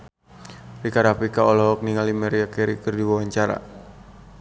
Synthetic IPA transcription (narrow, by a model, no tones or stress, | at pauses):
rikaɾapikaɔlɔɦɔk̚niŋalimɛɾiakɛɾikərdiwawaɲt͡ʃaɾa̰